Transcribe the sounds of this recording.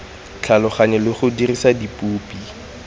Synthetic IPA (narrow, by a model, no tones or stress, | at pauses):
t͡ɬʰalɔχaɲɛlɪχʊdirisadipʼuːpʼi